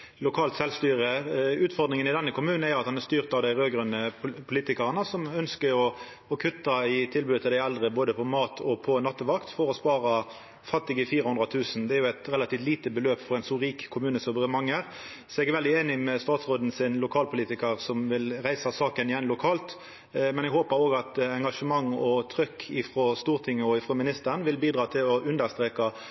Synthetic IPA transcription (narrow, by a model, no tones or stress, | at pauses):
lʊkʰɑːlt̪sɛlst̪yːɾəʉːt̪fɔʁd̪ɾɪŋənɪd̪ɛnːəkʰʊmʉːnn̩æjɑt̪hɑnæst̪yːʁt̪ɑʋd̪æɪʁøːɡɾœnːəpʰʊliːt̪ɪkɑʁənəsɔmœnskəɾɔ | ɔkʰʉt̪ːɑɪt̪ʰɪlbʉːd̪ət̪ɪld̪æɪɛld̪ʁəboːd̪əpʰɔmɑːt̪ʰɔpʰɔnɑt̪ːəʋɑkt̪fɔɾɔspɑːɾɑ | fɑt̪ːɪɡəfiːɾəhʊnd̪ɾɑt̪ʰʉːsn̩d̪ɛæɾjʊæɪt̪ʁɛlɑt̪iːft̪liːt̪əbəløːpfɔɾɛɪnsɔʁiːkkʰʊmʉːnəsɔbəʁɪmɑŋːəɾ | sɔɛɡæɾʋɛld̪ɪeːnɪmɛst̪ɑːt̪sʁoːd̪n̩sɪnlʊkʰɑːlpʰʊliːt̪ɪkəʁsɔmʋɪlɾæɪsɑsɑːkənɪjɛnlʊkʰɑːlt̪ | mɛnɛɡhoːpəɾoːɡɑt̪ɛŋɡɑʂəmɑŋːɔt̪ʰɾʏkʰːɪfʁɔst̪uːʁt̪ʰɪŋːəɔɪfɾɔmɪnɪst̪əɾnʋɪlbiːd̪ʁɑːt̪ʰɪlɔʔʉnd̪əʁst̪ɾeːkɑ